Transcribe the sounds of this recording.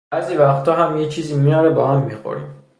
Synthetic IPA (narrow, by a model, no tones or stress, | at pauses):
æːziːvæxt̪ʰɒːɦæmjet͡ʃʰiːziːmijɒːɾebɒːhamːixo̰ɾḭm